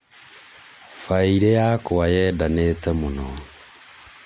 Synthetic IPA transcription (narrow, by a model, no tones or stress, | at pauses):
faiɾɛjakowajɛdanetɛmonɔ